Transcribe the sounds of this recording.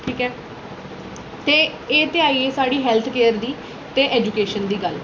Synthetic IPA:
ʈʰiːkɛː | t̪eː | eːt̪eaːiːeːsaːɽiːɦɛːlt̪ʰkeːəɾd̪iː | t̪eːʔɛːd͡ʒuːkeːʃənd̪iːɡəl

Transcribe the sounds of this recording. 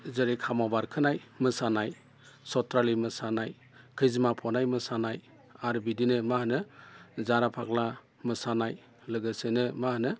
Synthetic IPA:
zɯɾikʰamabaɾkʰɯnajmɯsanaj | sɔtʰɾalimɯsanaj | kʰɯjzimapʰɔnajmɯsanaj | aɾbidinɯmaɦnɯzaɾapʰak̚la | mɯsanaj | lɯɡɯsɯnɯmahnɯ

